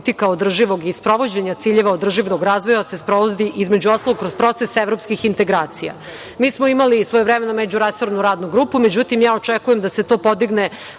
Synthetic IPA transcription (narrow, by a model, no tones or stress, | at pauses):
t̪ikaod̪r̩ʒiʋo̞ɡispɾo̞ʋo̞d͡ʑeɲat̪iːʎeʋaod̪r̩ʒiʋnoɡɾaːzʋojasespɾoʋozd̪iʔizme̞d͡ʑuost̪aoɡkɾozpɾo̞t̪sesevɾopskixint̪e̞ɡɾaːt̪sija̰ | miːsmoimalisʋojeʋɾemenomed͡ʑuɾeso̞ɾnuɾaːd̪nuɡɾupumed͡ʑut̪imjaːot͡ʃekuje̞md̪aset̪o̞ːpo̞d̪iɡne